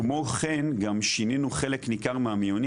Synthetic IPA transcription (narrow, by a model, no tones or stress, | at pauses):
mo̞χenɡamʃininuχe̞leknikaʁmeamijoni